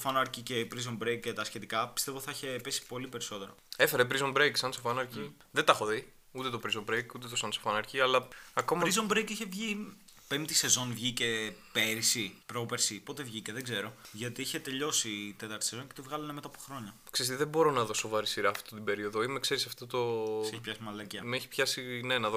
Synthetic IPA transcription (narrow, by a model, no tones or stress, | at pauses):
ofɐnɐɾcice̞pɾizombɾejket̪ɐsçe̞t̪ikɐpist̪evoiθɐiçe̞pesi̥po̞lipe̞ɾiso̞t̪e̞ɾoefeɾepɾizombɾejksɐnsofɐnɐɾci | ðet̪ɐxoðij | ut̪et̪o̞pɾizombɾejkut̪et̪osɐnsofɐnɐɾciɐlɐɐko̞mɐɾizombɾejkiçe̞vʝi | pent̪ise̞zo̞nvʝice̞pe̞ɾisipɾopeɾsipo̞t̪e̞vʝice̞ðeɡze̞ɾo̞ʝɐt̪iiçe̞t̪e̞ʎo̞sit̪et̪ɐɾt̪i̥sezo̞ncet̪ivɣɐlɐnemet̪ɐpoxɾoɲɐksest̪iðebo̞ɾo̞nɐðo̞so̞vɐɾisiɾɐːft̪ot̪ibe̞ɾio̞ðoimekse̞ɾisɐft̪ot̪osseçipçɐsimɐlɐciɐmeçi̥pçɐsinenɐðo